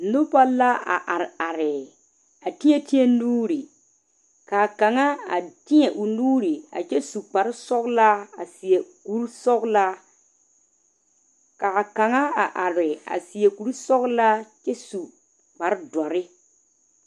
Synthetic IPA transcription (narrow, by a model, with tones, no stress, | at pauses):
nʊ˦pa˦la˦a̰˨ʔa˨ɾɪ˨a˨ɾɪ˨ | a˨tɪ˦ɲɛ˦˨tɪ˦ɛ˦nuː˦ɾi˨ | kaː˨ka˨ŋa˦a˨tɪ˦ɲɛ˨ʔu˨nuː˦ɾi˨a̰˨t͡ʃɛ˦su˨k͡pa˨ɾɪ˦sɔ˦ɣla˦a˨si˨e˨ku˨˦ɾsɔ˦ɡla˦ | ka˨a˨ka˨ŋa˦a˨ʔa˨ɾɪ˨a̰˨sɪ˨e˨ku˨ɾu˦sɔ˦ɣla˦t͡ʃɛ˦su˨ | k͡pa˨ɾɪ˦dɔ˨ɾɪ˦